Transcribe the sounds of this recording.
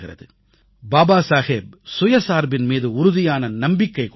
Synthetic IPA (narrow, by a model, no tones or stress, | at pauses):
ɣɪɾɐ̰ðɯ̰ | baːbaːsaːheːb̚sʊjɐsaːɾbɪnmiːðɯʊɾʊðɪjaːnɐnɐmbɪkːɐɪk